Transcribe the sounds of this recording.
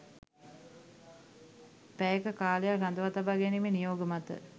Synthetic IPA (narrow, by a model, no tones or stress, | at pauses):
pæjekəkaːlejarand̪əʋat̪abaɡenimenijoːɡəmat̪ə̰